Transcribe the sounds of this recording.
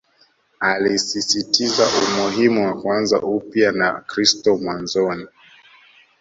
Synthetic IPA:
alisisitizaʔumuɦimuwakwanza̰ʔupjanakɾistɔmwanzɔni

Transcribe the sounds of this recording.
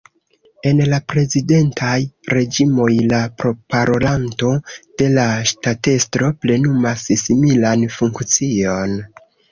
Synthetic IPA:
e̞nlapɾe̞zide̞ntʰajɾe̞d͡ʒimo̞jlapɾo̞paɾolanto̞d̥e̞laʃtate̞stɾo̞ple̞numassimilanfuŋkt͡sio̞n

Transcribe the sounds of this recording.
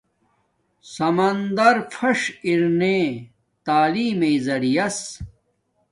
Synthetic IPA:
sɐmɐnd̪ɐɾfʰɐʂiɾne | t̪aːliːmeizɐɽijɐs

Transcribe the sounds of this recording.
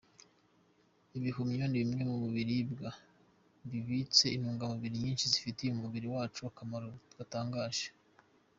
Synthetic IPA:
iβihumɲondiβimŋe̞muβuβiɾibɡa | βiβit͡se̞inuːŋɡamuβiɾiɲiːnʃizifitijumuβiɾiwaːt͡ʃuakamaɾoɡ̥ataːŋɡaːʒ̥e̥

